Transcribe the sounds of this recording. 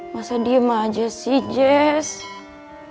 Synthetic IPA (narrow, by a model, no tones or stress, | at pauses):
masadiəmad͡ʒasid͡ʒɛs